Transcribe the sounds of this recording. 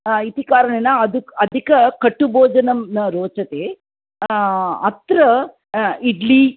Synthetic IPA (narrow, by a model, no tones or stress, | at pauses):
it̪ikaːɾɐɳenɐɐd̪uɐd̪ʱikɐkɐʈːubʱoːd͡ʒɐnɐmnɐɾoːt͡ʃɐt̪eː | ɐt̪ɾɐ | iɖli